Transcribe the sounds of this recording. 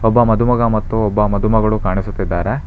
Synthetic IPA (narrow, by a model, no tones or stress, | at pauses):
ɔbːɐmɐd̪ʱumɐɡɐmɐt̪ːuɔbːɐmɐd̪ʱumɐɡɐɭukaːɳisut̪ːid̪ːaːɾe